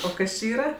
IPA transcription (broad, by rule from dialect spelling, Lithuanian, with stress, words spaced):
oː ˈkɐs t͡ʃʲɪ ˈiːrɐ